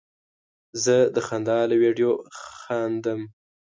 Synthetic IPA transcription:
zəd̪əxand̪ɑləweɖijoxɑnd̪əm

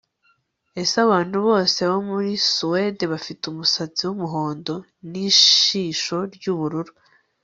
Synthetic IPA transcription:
e̞saβaːn̥huβo̞ːseβomuɾisuwedeβafitumusat͡siwumuɦo̞ːndo̞ | niʃiːʃo̞ɾɟuβuɾuɾu

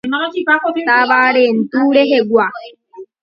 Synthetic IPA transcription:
naikakabaɾen̩tuɾeɦeɡʷa

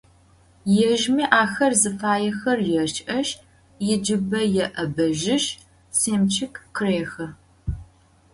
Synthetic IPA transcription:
jɛʒmiʔaːxɐrzɨfaːjɛxɐrjɛʃʼʔɐʃ | jɪd͡ʒɪbɐjɛʔɐbɐʒɪʃ | seːmt͡ʃʰɪkkʰɨreːxɐ

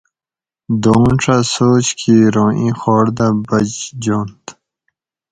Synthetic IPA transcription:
d̪oːnʈ͡ʂʰasoːt͡ɕkʰiɾõːʔĩːxɔːɽd̪ãbɐd͡ʑd͡ʑoːnt̪

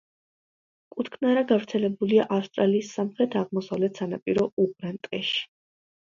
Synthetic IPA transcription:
kʼut̪kʰnaɾaɡavɾt̪sʰɛlɛbuliaʔafst̪ʼɾaliːsːamχɾɛt̪ʰaʁmɔsavlɛt̪ʰsanapʼiɾɔupʼɾɛnt̪ʼɛʃi̥

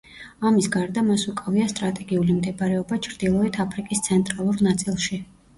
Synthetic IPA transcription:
amisɡaɾd̪amasukʼaviast̪ʼɾat̪ʼɛɡiulimd̪ɛbaɾɛɔbat͡ʃʰɾd̪ilˠɔɛt̪ʰapʰɾikʼist̪sʰɛnt̪ʼɾalˠuɾnat̪sʼilˠʃi

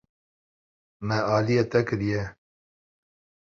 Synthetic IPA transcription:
mɛaːlijet̪ɛkɨɾijɛ

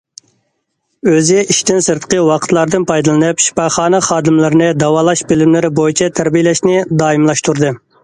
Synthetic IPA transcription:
øzɪiʃt̪ɪnsɨɾt̪ə̥qʰəwɑqʰət̪ʰlˠɑɾd̪ɨnpʰɑjd̪ɨlˠɨnɨpʃi̥pɑχɑːnɨχɑːd̪ɪmlɪɾɪnɨd̪ɑwɑːlˠɑʃbɪlɪmlɪɾɪbojit͡ʃʰɛt̪ʰæɾbijlɛʃnɪd̪ɑːimlˠɑʃt̪uɾd̪ɨ

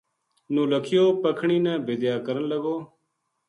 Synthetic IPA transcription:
nũːləkʰɪjoːpəkʰɳiːnɛ̃ːbʱɪd̪jaːkəɾənləɡoː

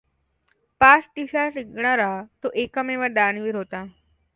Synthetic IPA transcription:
pat͡sʈ̪iɕasiɡɳaɾat̪oʔekəmeʋəɾd̪anʋiːɾɦot̪a

